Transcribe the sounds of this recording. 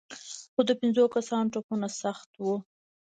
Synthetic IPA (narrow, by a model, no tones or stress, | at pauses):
xod̪əpɪnzokasɑnʈopunasaxt̪wu